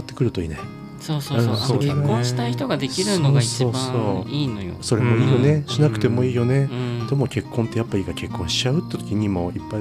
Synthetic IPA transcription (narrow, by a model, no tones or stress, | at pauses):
t̪ːe̞̥kɯ̟ɾɯ̟t̪o̞ḭːnai | soːsoɯ̃ekːõɕit̪aiçi̥t̪oɡad̪ekʲiɾɯnoaisoːsoːiːjo̰so̞ɾemo̞iːjo̞ne̞ɕinakɯ̟̥t̪e̞mo̞iːjo̞ne̞d̪̥omo̞kʲe̞kːont̪ːe̞japːaiːkakʲe̞kːõɕi̥t͡ɕaɯ̟t̪ːet̪okʲiɲ̟imo̞ipːa